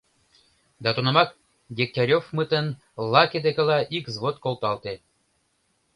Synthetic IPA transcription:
d̪ɑt̪onɑmɑk | ɡʲek̚t̪ʲɑɾʲofmɯt̪ən | lɑkʲed̪ekʲĕlɑʔikzβot̪kolˠt̪ɑlt̪e

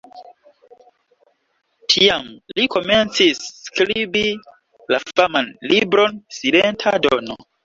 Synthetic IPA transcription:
tʰiamliko̞me̞nt͡sisːkɾibi | lafamanlibɾo̞nsilentʰadono̰

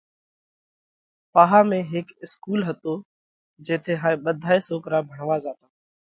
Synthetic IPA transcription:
paːɦaːmẽːɦɪkɪskuːlɦət̪oː | d͡ʒeːt̪ʰeːɦaːẽːɓəd̪ʱaːeːsoːkɾaːbʱəɳʋaːzaːt̪aː

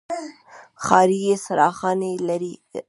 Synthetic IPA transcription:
xɑɾijesaɾɑxɑnelaɾi

